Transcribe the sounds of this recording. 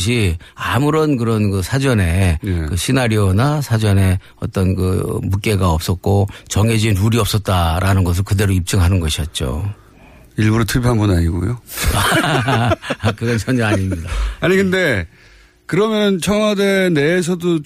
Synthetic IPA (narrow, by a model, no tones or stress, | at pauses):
ɕʰiamuɾʌnkɯɾʌnkɯsʰad͡ʑʌne̞kɯɕʰinaɾjonasʰad͡ʑʌne̞ | ʌt͈ʌnkɯ̰muk͈e̞ɡaʌp̚s͈ʌt̚k͈ot͡ɕʌŋed͡ʑinuɾiʌp̚s͈ʌt̚t͈aɾanɯnɡʌs̬ʰɯɭkɯde̞ɾoip̚t͡ɕ͈ɯŋɦanɯnɡʌɕʰiʌt̚t͡ɕ͈o̰ | iɭbuɾotʰɯpʰanbunaɲiɡo̰jo̰a | akɯɡʌnt͡ɕʰʌɲʌaɲimidaaɲiɡɯnde̞ | kɯɾʌmjʌnɯnt͡ɕʰʌŋɦadene̞ːs̬ʰʌdo